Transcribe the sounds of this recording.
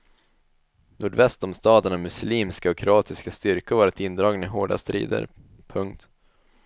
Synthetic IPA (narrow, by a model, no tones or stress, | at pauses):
nʔuːɖvɛst̪ɔmst̪ɑːd̪əɳamɵsliːmskaɔkʰɾʊɑːt̪ɪskast̪ʏɾkʊvɑːɾat̪ɪnd̪ɾɑːɡnɛɦoːɖa̰st̪ɾḭːd̪ə̰ɾ | pʰɵŋk̚t̪